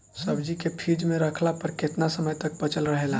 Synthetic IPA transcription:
səbd͡ʒikepʰid͡ʒmẽɾəkʰlapəɾket̪nasəməjt̪ək̚pət͡ʃəlɾəɦelã

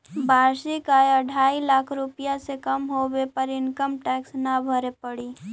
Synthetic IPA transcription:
bʱaːɾʃikaːjəɖʱaːilaːkʰɾʊpijasekɐmɦowepəɾɪnkəmʈɛːksnabʱəɾepəɽiː

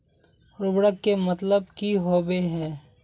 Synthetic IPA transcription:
ɾʊbɽəkːemɐt̪ləbkiɦoːbeɦɛ̃ː

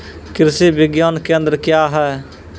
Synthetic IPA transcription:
kɪɾseːbɪɡjaːnkẽːə̃nd̪əɾkjaːɦɛː

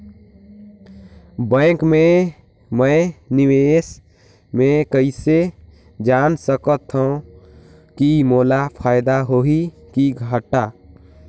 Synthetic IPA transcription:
bə̃kme | mənɪwes | mẽkəɪise | d͡ʒaːnsəkət̪ɦə̃ | kimoːlapʰaːɪd̪aɦoɦi | kiɡʱəʈa

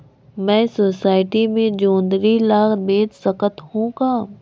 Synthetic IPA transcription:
mɛ̃ːsoːsaːɪʈimẽd͡ʒõːnd̪ɾilaːdeːd̪səkət̪hũkaː

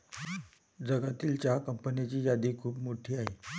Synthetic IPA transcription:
d͡zəɡat̪iːlt͡ɕjakəmpənat͡ɕiːjad̪iːkʰuːpmoʈʰiːaɦe

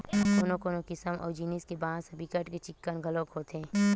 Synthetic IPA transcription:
k̪oːnõkoːnokɪsəmʔɔ̰ːɾd͡ʒiːniskebãːsəbɪkəʈket͡ʃɪkːənɡʱəlõːkɦoːt̪ẽː

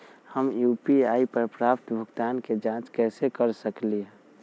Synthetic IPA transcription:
həmjuːpiaːipəɾpɾaːp̚t̪bʱəɡt̪aːnked͡ʒãt͡ʃkɛːsekəɾsəklie

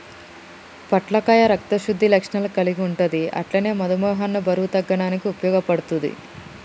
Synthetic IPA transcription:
pɐʈlɐkaːjɐɾɐkt̪ɐʃud̪ʱːilɐkʂnɐlkɐliɡiuɳʈund̪iʔɐ̰ʈlɐne̞ːmɐd̪ɐmɔːɦɐnːubɐɾuut̪ɐɡːɐɽaːnikiupɐjɔːɡɐpɐɽut̪und̪ḭ

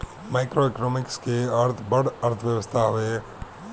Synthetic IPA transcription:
maːɪkɾoeknɔːmɪkskeɐɾt̪ʰbɐɽɐɾt̪ʰʋjəʋəst̪ʰaɦʊe

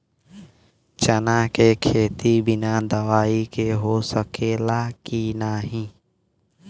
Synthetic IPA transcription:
t͡ʃənãːkeːkʰeːt̪iːbɪnãːd̪əʋaːiːkeːɦoːsəkeːlaːkiːnaːɦĩː

